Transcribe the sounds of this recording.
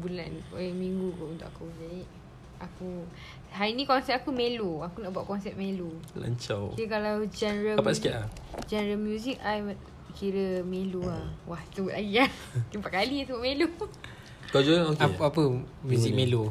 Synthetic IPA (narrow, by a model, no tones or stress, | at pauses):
bula̰nojamiŋɡukuʔunt̪ʊ̰kakuzaiʔ | aku | ɦaɾinĩkɔnsɛt̚akumeloakunaʔbaʔkɔnsɛp̚melula̰ɲt͡ʃawkikalawd͡ʒanəɾalapasi̥kaʔad͡ʒɛnəɾəlmjuzik̚ajwaʔ | kiɾəmeluawaht̪ubuʔlʔaɡiat̪impaʔ̚kalisəbaʔmelu | kad͡ʒuaokpapəmjuzikmẽlo